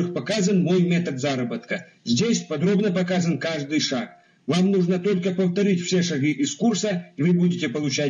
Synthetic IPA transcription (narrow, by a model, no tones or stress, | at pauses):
ɨxpɐkazənmo̞jmʲet̪ət̪zaɾəbət̪kə | zʲdʲesʲpɐd̪ɾo̞bnəpɐkazənkaʐd̪ɨjʂak̚ | vamnuʐnət̪o̞lʲkəpəft̪ɐɾʲitʲfsʲeʂɐɡɨʔɪskursəivɨbudʲɪtʲɪpəlˠʊt͡ɕæ